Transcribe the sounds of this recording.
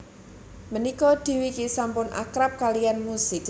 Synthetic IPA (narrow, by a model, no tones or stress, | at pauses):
mənikɔd̪̥i̤wikisampʊnʔa̰kɾap̚kalijanmusɪk